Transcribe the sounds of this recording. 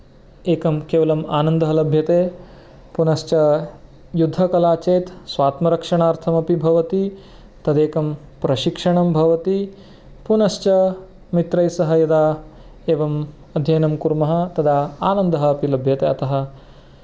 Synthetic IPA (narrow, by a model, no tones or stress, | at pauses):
eːkɐmkeːʋɐlɐmaːnɐnd̪ɐɦɐlɐbʱjɐt̪eː | punɐʃt͡ʃɐ | jud̪ʱːɐkɐlaːt͡ʃeːt̪sʋaːt̪mɐɾɐkʂɐɳaːɾt̪ʰɐmɐpibʱɐʋɐt̪i | t̪ɐd̪eːkɐm | pɾɐʃikʂɐɳɐmbʱɐʋɐt̪i | punɐʃt͡ʃɐ | mit̪ɾɐjsɐɦɐjɐd̪aː | eːʋɐm | ɐd̪ʱjɐjːnɐmkuɾmɐɦɐ̆t̪ɐd̪ʱaːaːnɐnd̪ɐɦɐɐpilɐbʱjɐt̪eːɐt̪ɐɦɐ